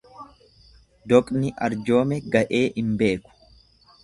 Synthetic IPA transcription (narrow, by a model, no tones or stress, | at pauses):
d̪ɔkʼnɪʔɐ̰ɾd͡ʒo̞ːmɛɡɐʔe̞ːʔɪmbe̞ːkʊ̥